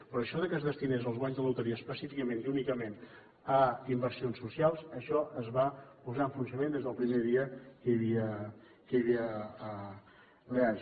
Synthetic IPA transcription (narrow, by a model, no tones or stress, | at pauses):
pɾɔːʃɔðəkəzðəst̪inezəlˠzɣwaɲzðəluwt̪əɾiəspəsifikəmẽniunikəmen | əimbəɾsionsːusialˠzəʃɔəzβapuzaəɱfuns̬əmẽnd̪ezðəlˠpɾimeðiəkəjəβiə | kəjəβiəː | lea